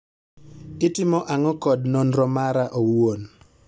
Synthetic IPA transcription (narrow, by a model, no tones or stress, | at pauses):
ɪtɪmɔʔaŋɔkɔdnɔnɾɔmaɾaʔowon